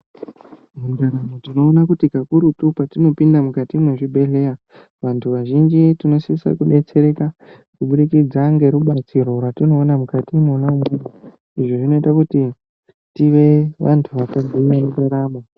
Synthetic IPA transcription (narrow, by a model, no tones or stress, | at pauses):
mundaɾamotino̞ːnakutikakuɾutupatino̞pindamukatimwe̞ʐibʱe̞ɬe̞ja | ʋantʰuʋaʒind͡ʒitino̞siisa̰kuɗe̞t͡se̞ɾe̞ka | kuɓuɗikid͡zaŋɡe̞ɾuɓat͡siɾo̞rwatino̞ːnamukatiːno̞ːnaumeno | iʐo̞ʐino̞itakuti | tiʋe̞ʋʔantʰuʋakad͡zʱiiamundaɾamo